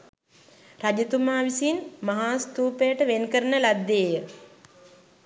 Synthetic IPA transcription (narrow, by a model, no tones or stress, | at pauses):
rad͡ʒit̪umaːʋisinmaɦaːst̪uːpejəʈəʋenkəɾənəlad̪ːeːjə